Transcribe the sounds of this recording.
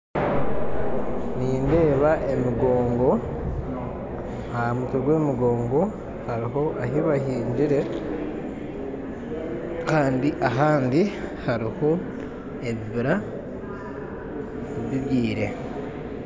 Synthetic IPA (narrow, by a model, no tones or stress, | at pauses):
niːnde̞ːβaʔe̞miɡo̞ːŋɡo̞ | ahamutoɡwe̞ːmiɡo̞ːŋɡo̞ | haɾiɦo̞ʔaɦiβahiːɲd͡ʒiɾe̞ | kaːndiʔaɦaːndihaɾiho̞ | eβiβiɾa | βiβjiːɾe̞